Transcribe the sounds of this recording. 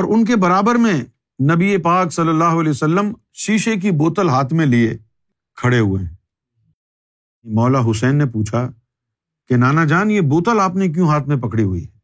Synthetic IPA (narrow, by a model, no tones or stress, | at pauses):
ɔːɾʊnk̬ebɐɾaːbəɾmẽ | nɐbiepaːksɐlːəlːaːɦoɐlɛːosəlːəm | ʃiːʃek̬iboːt̪əlɦaːt̪ʰmẽlie | kʰɐɽeɦʊeɦ | imɔːlaɦʊsɛːnːepuːt͡ʃʰa | kenaːnad͡ʒaːnjeboːt̪əlaːpnek̬jũːɦaːt̪ʰmẽpɐkɽiɦʊḭɦɛː